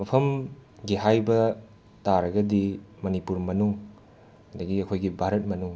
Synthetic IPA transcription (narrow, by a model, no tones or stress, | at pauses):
mɐpʰɐmɡiɦajbɐ | taɾɐɡɐdimɐnipuɾmɐnuŋ | hɐd̪ɐɡiɐkʰojɡibʱaɾɐt̚mɐnuŋ